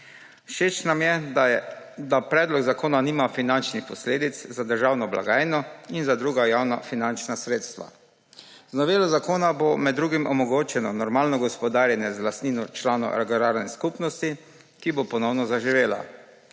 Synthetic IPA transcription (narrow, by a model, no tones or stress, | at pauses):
ʃeːt͡ʃnamjɛ | d̪apɾɛːd̪lɔɡzakoːnaniːmafinant͡ʃnixpɔsleːd̪it̪szad̪əɾʒaːwnɔbla̰ɡaːjnɔinzad̪ɾuːɡajaːwna̰finant͡ʃnasɾeːt̪st̪ʋa̰ | znɔʋeːlɔzakoːnabomɛd̪ːɾuːɡimɔmɔɡoːt͡ʃɛnɔnɔɾmaːlnɔɡɔspɔd̪aːɾjɛnjɛzlast̪niːnɔt͡ʃlaːnɔ̰ɾaɡɔɾaːɾnɛskupnɔst̪i | kibopɔnɔwnɔzaʒiʋeːla̰